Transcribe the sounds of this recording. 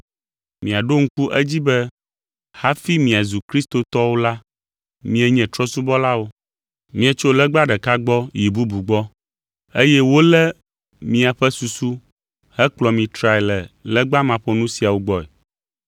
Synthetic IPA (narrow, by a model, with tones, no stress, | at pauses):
mĩ˨a˨ɖo˦ŋ̩˦ku˦ʔɛ˦d͡ʑi˦bɛ˦ | ha˦fi˦mĩ˨a˨zu˨kɾi˦st̪o˨t̪ɔ˦wo˦la˦ | mĩ˦ɛ˦ɲɛ̃˨t̪ɾɔ˦su˦bɔ˦la˦wo˦ | mĩ˦ɛ˦t͡ʃo˦lɛ˦ɡ͡ba˦ɖɛ˨ka˦ɡ͡bɔ˦ji˨bu˦bu˨ɡ͡bɔ˦ | e˦jɛ˦wo˦lɛ˦ | mĩ˦a˨ɸɛ˦su˨su˦ | hɛ˦k͡plɔ˨mĩ˨t̪ɾa˨ɛ˨lɛ˨lɛ˦ɡ͡ba˦mã˨ɸo˦nũ˦si˨a˨wo˦ɡ͡bɔ˦ɛ̰˨